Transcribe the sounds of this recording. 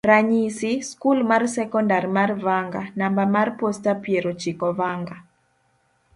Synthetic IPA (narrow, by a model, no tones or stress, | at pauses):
raɲisiskulmarsɛkɔndaɾmarvaŋɡa̰nambamarpostapjeɾot͡ʃikɔvaŋɡa